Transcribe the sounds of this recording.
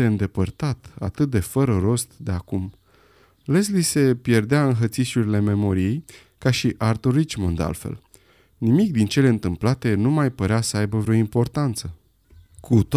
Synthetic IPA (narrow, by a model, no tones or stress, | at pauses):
eɨnd̪e̞pərt̪at̪a̰t̪ɨt̪̚d̪e̞fəɾəɾo̞st̪d̪e̞akum | leslise̞pje̞rd̪eaɨnɦət̪siʃuɾile̞me̞mo̞ɾijej | kaʃiʔart̪oɾit͡ʃmond̪a̰lfḛl | nimik̚d̪int͡ʃe̞le̞ɨnt̪ɨmplat̪e̞numajpəɾeasəajbəvɾeoimpo̞rt̪ant̪sə | kʰut̪o